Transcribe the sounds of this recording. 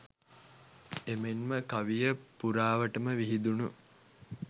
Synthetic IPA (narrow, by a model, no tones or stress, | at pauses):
emenməkɐʋijəpuɾaːʋəʈəməʋiɦid̪unu